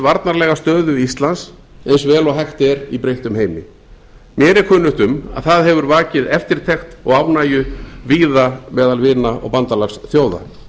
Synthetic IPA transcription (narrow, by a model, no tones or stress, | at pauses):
vaɾt̪naɾlɛːɣast̪œːðʏist̪lans | ɛnsvɛːlɔɣɦɛxt̪ɛɾipɾejht̪ʏmɦejmɪ | mjɛɾɛɾkʰœːnʏht̪ʏma̰ðθaðɦɛvʏɾvaːcɪðɛft̪ɪɾ̥t̪ʰɛxt̪ɔɣawnaːjʏviːðamɛːðalvɪːnaɔ̰ɣpant̪alaxsθjoːwða̰